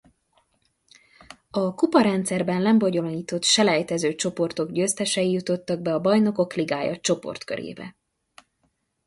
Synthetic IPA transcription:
ɒkupɒɾɛnt̪sɛrbɛnlɛmboɟo̞loniːt̪o̞t̪ʃɛlɛjt̪ɛzøːt͡ʃo̞po̞rt̪o̞ɡɟøːst̪ɛʃɛjijut̪o̞t̪ːɒɡ̚bɛɒbɒjno̞ko̞kliɡaːjɒ̰t͡ʃo̞po̞̰rt̪køɾʔḛːbɛ̰

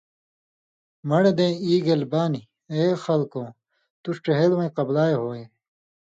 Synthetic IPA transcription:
mɐɽed̪ẽːiːɡɐlbaːni | eːxɐlkõː | t̪uʂʈeɦelmɐ̃iqɐblaːeɦoːe

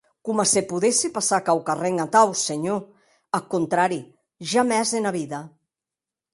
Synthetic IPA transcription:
kumasepuðesipasakawkareŋat̪awseɲo | akunt̪ɾaɾi | ʒamɛzðenaβiða

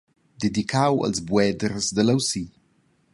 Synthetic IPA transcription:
d̪ed̪ikʰawə̰lzbwɛd̪ɾzd̪ələwsi

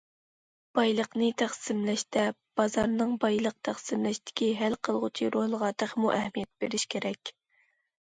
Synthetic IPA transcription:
b̥ɑjlˠəqnɨt̪ʰæχsɪmlɛʃt̪ɛb̥ɑzɑɾnɨŋbɑjlˠəq̚t̪ʰæχsɨmlɛʃt̪ʰɪ̥kʲiɦælqʰəlˠʁʊt͡ʃʰiɾohlˠəʁɑːt̪əχmuʔɛhmijɛt̪̚b̥eɾɪʃkʲʰeɾɛkʲ

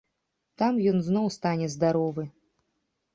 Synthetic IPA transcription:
t̪amjɔnznɔwst̪anʲɛzd̪aɾɔvɨ

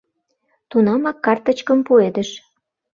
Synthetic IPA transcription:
t̪unɑmɑkːɑrt̪ə̆t͡ɕkəmpued̪ə̆ʃ

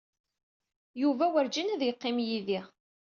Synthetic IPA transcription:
juvæwəɾd͡ʒinæðjəqːɪmjiðiʁ

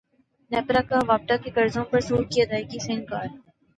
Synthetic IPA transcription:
nɛːpɾakaʋaːp̚ʈ̪akekɐɾzõpɐɾsuːɾkiɐd̪aːjkisɪ̃ŋkaːɾ

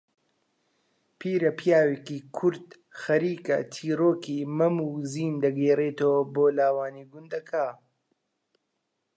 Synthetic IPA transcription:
pʰiːɾɐpijaːweːkikʰʊɾd̪ | xɐɾiːkɐ̰t̪ʰiːroːkiːmɐmuːziːnd̪ɐɡeːreːt̪oːboːlaːwaːniːɡʊnd̪ɐkʰaː

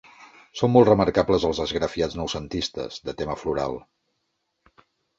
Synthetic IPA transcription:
somːɔlˠt̪rəməɾkapləzəlˠzðəzɣɾəfiad͡znəwsənt̪ist̪ə̰z̥d̪ət̪eməfluɾa̰lˠ

